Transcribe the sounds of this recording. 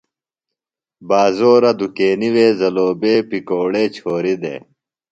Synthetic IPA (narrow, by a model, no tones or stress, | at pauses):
baːzoːɾɐd̪ukeːniweːzɐloːbeːpikoːɽeːt͡ɕʰoːɾid̪ḛː